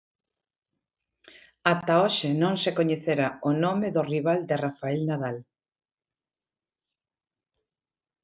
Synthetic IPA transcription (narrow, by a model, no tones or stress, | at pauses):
at̪aoʃɪnõŋsekoɲeθeɾaonomɪðʊriβald̪ɪrafaɛlnaðal